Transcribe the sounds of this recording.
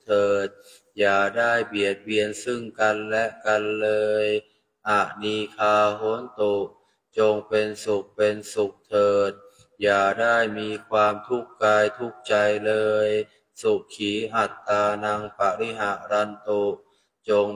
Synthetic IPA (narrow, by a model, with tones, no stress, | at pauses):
t̪ʰɤː˨˩t̪̚ | jaː˨˩daː˥˩jbi˨˩ət̪̚bi˧ənsɯ˥˩ŋka˧nlɛ˦˥ʔka˧nlɤː˧j | ha˨˩ʔniː˧kʰaː˧ɦo˦ənt̪o˨˧˩ʔ | t͡ɕo˧ŋpe˧nsu˨˩k̚pe˧nsu˨˩k̚t̪ʰɤː˨˩t̪̚ | jaː˨˩daː˥˩jmiː˧kʰwaː˧mt̪ʰu˦˥˩k̚kːaː˧jt̪ʰu˦˥k̚t͡ɕa˧jlɤː˧j | su˨˩k̚kʰːiː˩˦ʔa˨˩t̪ːaː˧na˧ŋpa˧˩ʔli˧˥ɦa˧˩ʔɾa˧nt̪o˧˩ʔ | t͡ɕo˧ŋ